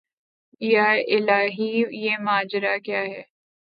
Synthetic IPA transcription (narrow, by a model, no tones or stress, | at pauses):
jaɾɪlaːɦijeːmaːd͡ʒɾakjaːɦɛː